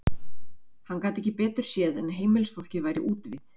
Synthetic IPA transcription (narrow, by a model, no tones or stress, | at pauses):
hanːkaːt̪ɛhçcɪpɛːt̪ʏɾ̥sjɛːðɛnɦeːjmɪlsfɔwl̥cɪvaːjɾɪʔuːt̪vɪθ